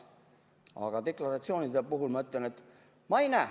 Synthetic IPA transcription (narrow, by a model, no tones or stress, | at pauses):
ɑ̰ɡ̥ɑt̪e̞klɑɾɑt̪sio̞ːnid̪epuɦulmɑøt̪ˑlene̞t̪ː | mɑejnæː